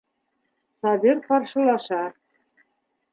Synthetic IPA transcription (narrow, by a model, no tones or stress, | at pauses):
sɑβerpɑrʃɤ̆lɑʃɑ